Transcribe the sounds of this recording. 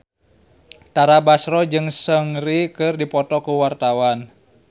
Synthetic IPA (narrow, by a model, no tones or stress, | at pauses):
t̪aɾabasɾɔd͡ʒɨŋsəŋrikɨrdipɔt̪ɔkuwart̪awan